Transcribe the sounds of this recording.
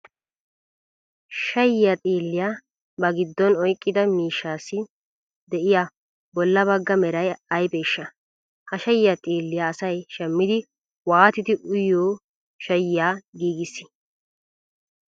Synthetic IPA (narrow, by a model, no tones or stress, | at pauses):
ʃɐjːat̪ʼiːlːɪjaː | bɐɡɪd̪ːɔnɔjkʼːɪd̪ɐmiːʃːaːsːɪ | d̪ɛʔɪja | bɔlːɐbɐɡːɐmɛɾɐjɐjbɛʃːɐ | hɐʃɐjːat̪ʼiːlːɪjaːsɐjʃɛmːɪd̪ɪ | waːt̪ɪd̪ɪʔʊjoː | ʃɐjːaːɡiːɡɪsːɪ̥